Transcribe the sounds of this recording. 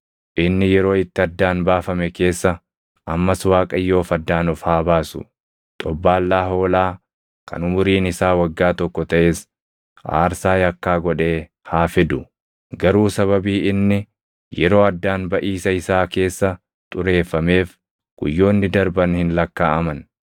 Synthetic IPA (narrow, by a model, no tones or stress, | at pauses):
ʔɪnːɪjɛɾo̞ːɪt̪ːɪɐd̪ːaːnbaːfɐmɛke̞ːsːɐ | ɐmːɐswaːkʼɐjːo̞ːfɐd̪ːaːnɔfhaːbaːsʊ̰ | t̪ʼɔbːaːlːaːɦo̞ːlaː | kɐ̰nʊmʊɾiːnɪsaːwɐɡːaːt̪ɔkːɔt̪ɐʔe̞ːs | ʔa̰ːɾsaːjɐkːaːɡɔᶑe̞ː | haːfɪd̪ʊ | ɡɐɾuːsɐβɐbiːɪnːɪ | jɛɾo̞ːɐd̪ːaːnbɐʔiːsɐɪsaːke̞ːsːɐ | t̪ʼʊɾe̞ːfːɐme̞ːf | ɡ̥ʊ̰jːo̞ːnːɪd̪ɐɾbɐnhɪnlɐkːa̰ːʔɐmɐn